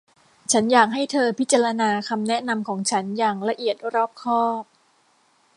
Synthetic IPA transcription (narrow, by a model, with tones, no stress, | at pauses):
t͡ɕʰa˦˥njaː˨˩k̚ɦa˥˩jt̪ʰɤː˧pʰi˦t̪̚t͡ɕa˧ɾa˧naː˧kʰa˧mnɛ˦˥na˧mkʰɔː˩˦ŋt͡ɕʰa˦˥njaː˨˩ŋɾa˧ʔi˨˩ət̪̚ɾɔː˥˩p̚kʰɔː˥˩p̚